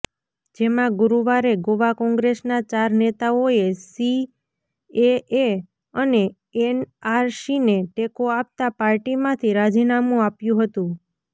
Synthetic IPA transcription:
d͡ʒemãɡʊɾuʋaɾeɡoʋakɔ̃ŋɡɾesnat͡ʃaɾnet̪aoesi | ee | əne | enaɾsineʈekoap̚t̪apaɾʈimãt̪ʰiɾad͡ʒinamũapjũɦət̪ũ

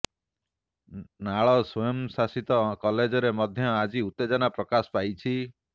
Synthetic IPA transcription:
naɭɔsɔjɔmsasit̪ɔkɔled͡ʒɔɾemɔd̪ʱjɔad͡ʒiut̪ːed͡ʒɔnapɾɔkasɔ̥pajt͡ʃʰi

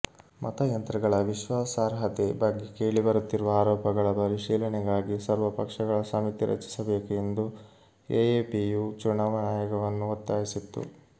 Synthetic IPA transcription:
mʔɐ̰t̪ɐjɐnt̪ɾɐɡɐɭɐʋiʃʋaːsaːɾɦɐt̪ebɐɡːekeːɭibɐɾut̪ːiɾuʋɐaːɾɔːpɐɡɐɭɐbɐɾiʃiːlɐɳɛɡaːɡisɐɾʋɐpɐkʂɐɡɐɭɐsɐmit̪iɾɐ̰t͡ʃi̥sɐbe̞ːkue̞nd̪u | ejeːpijut͡ʃuɳɐʋɐnaːjɔɡɐʋɐnːuɐt̪ːaːjisit̪ːṵ

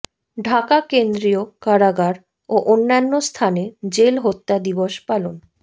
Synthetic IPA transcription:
ɖʱakakend̪ɾiokaɾaɡaɾ | oʔonːanːost̪ʰaned͡ʑelɦot̪ːad̪iboʃpalon

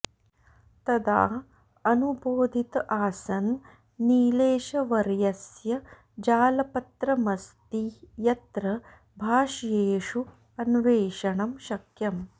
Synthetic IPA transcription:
t̪ɐd̪a̰ː | ɐnuboːd̪ʱit̪aːsɐnː | iːleːʃɐʋɐɾjɐsjɐ | d͡ʒaːlɐpɐt̪ɾɐmɐst̪ijɐt̪ɾɐ | bʱaːʂjeːʂu | ɐnʋeːʃɐɳɐmʃɐkjɐm

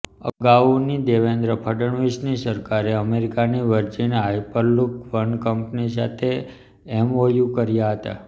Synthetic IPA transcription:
ə̰ɡaʋnid̪eʋend̪ɾəpʰəɖəɳʋisnisəɾkaɾeəmeɾikaniʋəɾd͡ʒinajpəɾlukʋənkəmpnis̬at̪ʰe | ɛmojukəɾjaɦət̪a̰

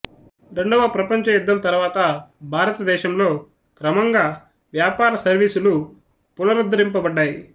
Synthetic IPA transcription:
ɾe̞ɳɖɐʋɐpɾɐpɐɲt͡ʃɐjud̪ːɐmt̪ɐɾuʋaːt̪ɐbʱaːɾɐt̪ɐd̪ɛːʃɐmlo̞ː | kɾɐmɐŋɡaː | ʋjaːpaːɾɐsɐɾʋiːsulu | punɐɾud̪ːɐɾimpɐbɐɖːaːji

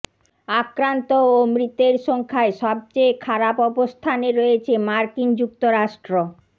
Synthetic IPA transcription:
akɾant̪oːmɾit̪ːeɾʃɔŋkʰaeʃɔb̚t͡ɕejkʰaɾapɔbost̪ʰaneɾoet͡ɕʰemaɾkind͡ʑuk̚t̪oɾaʃʈɾo

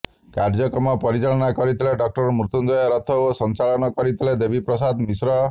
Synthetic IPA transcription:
kaɾd͡ʒɔkɾɔmɔpɔɾit͡ʃaɭɔnakɔɾit̪ʰileɖɔk̚ʈɔɾɔmɾut̪und͡ʒɔjaɾɔt̪ʰɔosɔnt͡ʃalɔnɔkɔɾit̪ʰiled̪ebʱipɾɔs̬ad̪misɾɔ

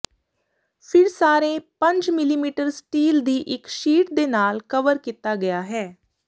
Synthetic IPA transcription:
pʰɪɾsaːɾẽːpə̃ɲd͡ʒmɪliːmiːʈəɾsʈiːld̪iːʔɪkʃiːʈd̪eːnaːlkəʋəɾkiːt̪aːɡəjaːɦɛː

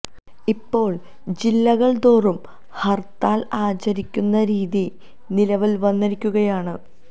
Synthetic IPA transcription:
ipːo̞ːɭ | d͡ʑilːɐɣɐɭd̪oːrum | hɐrt̪aːlaːt͡ɕɐɾikʲːunːɐɾiːði | nilɐʋilʋɐnːɐɾikʲːuɣɐjaːɳɨ

